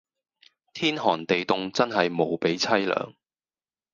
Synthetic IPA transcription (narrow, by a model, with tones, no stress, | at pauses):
t̪ʰiː˥nɦɔː˨˩nt̪e˨jt̪ʊ˨ŋt͡sɐ˥nɦɐ˨jmo˨˧wpe˨˥jt͡sʰɐ˥jlœ̰ː˨˩ŋ